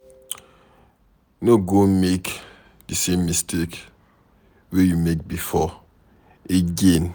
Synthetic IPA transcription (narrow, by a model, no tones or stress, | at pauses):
noɡomek | dəsẽmːistʰek | wejumek̚bifɔ | eɡen